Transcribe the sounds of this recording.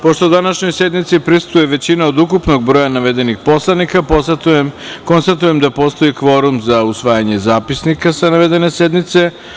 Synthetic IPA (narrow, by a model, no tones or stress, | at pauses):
po̞ʃt̪o̞ud̪anaʃɲo̞jse̞d̪nit̪sipɾist̪ujeʋe̞t͡ɕinaod̪ukupnoɡ̚bɾo̞janaʋed̪e̞nixpo̞slˠanika | ko̞nst̪at̪ujemd̪apo̞st̪o̞ikʋo̞ɾumzausʋaːjaɲe̞zaːpisnikasanaʋe̞d̪e̞nesed̪nit̪se̞